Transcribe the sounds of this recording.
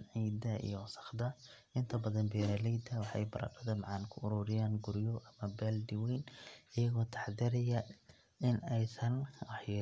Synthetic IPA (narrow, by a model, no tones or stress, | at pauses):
ʕiːd̪ɐḭjɔsɐ̥χd̪ɐ | ʔɪnt̪ʰɐbɐðɐnbɛːɾɐlɛjd̪ɐwɑħɑ̰jbɐ̰ɾɐ̰qɐðɐmɑʕɑnkʰʊʊɾuːɾɪjaːnɡʊɾjɔʔɐmɐbaːld̪ɪwɛjnɪjɐɣɔːt̪ʰɑ̥ħd̪ɪɾɛjɐ | ɪnɛjsɐnwɑħjɑ